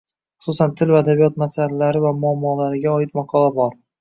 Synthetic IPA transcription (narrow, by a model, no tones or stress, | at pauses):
χʊsusant̪ʰɪlvaːd̪abijɒt̪masallaɾɪvamʊamːɒlaɾɪɡʲaɒɪt̪mɒqʰɒlabɒɾ